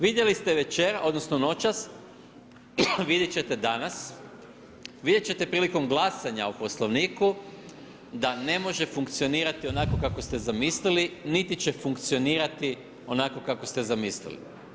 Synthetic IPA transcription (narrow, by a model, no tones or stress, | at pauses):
ʋid̪je̞list̪eʋe̞t͡ɕeɾaʔod̪nosnono̞t͡ʃas | ʋid̪jet͡ɕe̞t̪e̞d̪anas | ʋid̪jet͡ɕe̞t̪e̞pɾiːliko̞mɡlˠasaɲaopo̞slˠoʋniːku | d̪ane̞mo̞ʒe̞fuŋkt̪sio̞niːɾat̪io̞nako̞kakost̪e̞zamislilinit̪it͡ʃe̞fuŋkt̪sijo̞niːɾat̪i | o̞naːko̞kakost̪e̞zamislḭlḭ